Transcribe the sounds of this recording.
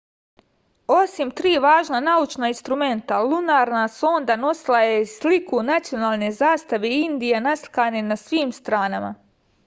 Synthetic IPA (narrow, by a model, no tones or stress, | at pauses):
o̞simt̪ɾiːʋaːʒnanaut͡ʃnainst̪ɾume̞nt̪alˠunaːɾnaso̞ːnd̪ano̞silˠajeslikunat̪sijo̞naːlˠne̞zaːst̪aʋeind̪ijenasli̥kaːnenasʋiːmst̪ɾaːnama̰